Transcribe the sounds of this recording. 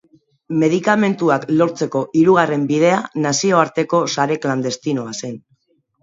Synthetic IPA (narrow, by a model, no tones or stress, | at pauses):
me̞ð̞ikame̞nt̪uaklo̞ɾt͡se̞ko̞ʔiɾuɣ̞are̞mbiðe̞anasio̞aɾt̪e̞ko̞saɾe̞kland̪e̞st̪ino̞ase̞n